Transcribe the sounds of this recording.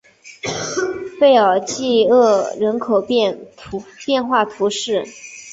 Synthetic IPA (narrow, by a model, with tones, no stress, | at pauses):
fe˥˩ɪɑ˨˩ʊt͡ɕi˥˧ɤ˥˩ɻə˧˥nkʰo˨˩ʊpɛ˥˩nʰ˧˥pjɛ˥˧nxwa˥˩t̪ʰu˧˥ʂɻ̩˥˩